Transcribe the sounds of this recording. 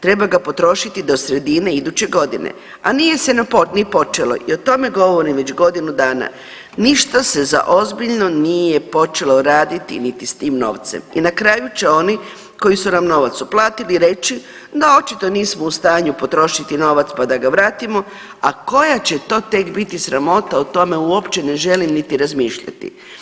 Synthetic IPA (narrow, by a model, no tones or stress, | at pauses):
t̪ɾe̞baɡapo̞t̪ɾo̞ʃit̪id̪o̞sɾe̞d̪ine̞id̪ut͡ɕe̞ɡo̞d̪inḛ | a̰nije̞se̞naponipo̞t͡ʃelo̞̰ʔio̞t̪o̞me̞ɡo̞ʋo̞ɾimʋe̞t͡ɕɡo̞d̪inud̪aːna̰ | niʃt̪ase̞za̰ʔo̞zbiʎno̞nije̞po̞t͡ʃe̞lo̞ɾaːd̪it̪ḭnit̪ist̪iːmno̞̰ʋt̪sḛmḭnakɾaːjut͡ɕeo̞ni | ko̞jisunamno̞ʋat̪suplaːt̪iliɾe̞t͡ʃi | d̪ao̞t͡ʃit̪o̞niːsmoust̪aːɲupo̞t̪ɾo̞ʃit̪ino̞ːʋat̪spad̪aɡaʋɾaːt̪imo̞ | ako̞jat͡ɕe̞t̪o̞ːt̪e̞kbit̪isɾamo̞t̪aot̪o̞me̞uopt͡ʃe̞ne̞ʒe̞limnit̪iɾazmiːʃʎa̰t̪ḭ